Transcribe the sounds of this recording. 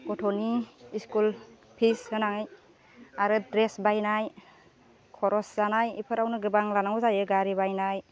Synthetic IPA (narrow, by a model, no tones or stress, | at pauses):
ɡɔtʰoniiskul | pʰishɯnaŋɯj | aɾɯdɾesbajnaj | kʰɔɾɔszanajipʰɯɾawnɯɡɯbaŋlanawzajɯɡaɾibajnaj